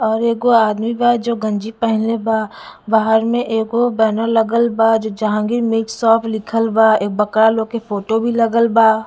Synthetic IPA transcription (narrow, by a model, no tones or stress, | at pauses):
ɔːɾeːkoaːd̪mibad͡ʒoːɡə̃ɲd͡ʒipɛɦɪleba | baːɦəɾmẽʔeːkobɛːnəlɐɡəlbad͡ʒod͡ʒaɦãɡiɾmɪksɔːpʰlɪkʰəlbaeːk̚bɐkɾalokepoːʈobʱilɐɡəlbaː